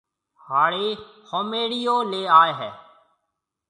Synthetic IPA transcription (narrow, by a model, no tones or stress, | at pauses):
haːɽeː | hoːmeːɽijoːleːaːeɦɛː